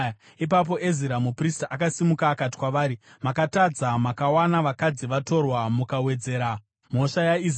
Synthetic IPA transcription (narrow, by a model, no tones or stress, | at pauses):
ip̬ap̬o̞ʔeziɾamupristaʔakasimukaːkati̥kwaʋaːɾimakatad͡zamakawanaʋakad͡ziʋato̞rwamukawe̞d͡ze̞ːɾa | m̤o̞ʃajai